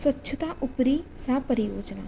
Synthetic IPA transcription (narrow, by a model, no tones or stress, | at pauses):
swətːʃʰət̪aːʔʊpɾiːsaːpəɾɪjoːd͡ʒna̰ː